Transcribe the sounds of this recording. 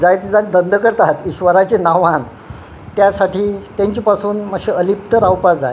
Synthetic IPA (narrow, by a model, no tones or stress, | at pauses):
d͡zajt̪id͡zad̪ənd̪ʱəkəɾt̪aɦat̪iɕʋəɾat͡ɕenaʋãn | t̪jasaʈʰiːt̪jãɲt͡ɕiːpasuːnməɡɕeəlip̚t̪əɾawpad͡za̰e